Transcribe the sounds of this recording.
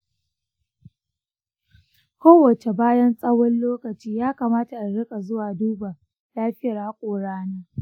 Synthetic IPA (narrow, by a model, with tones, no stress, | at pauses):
kʷoː˦wɐ˨t͡ʃe˨baː˦jɐ˦nsʼɐ˦wɔ˦nloː˦kɐ˨t͡ʃiː˦jaː˦kaː˨maː˦ta˨ʔa˨ɽɪ˦kʼa˨zʊ˦waː˨duː˦ba˨ | laː˦ɸɪ˦jɐ˨rha˦kʷʼoː˨ɽaː˦naː˦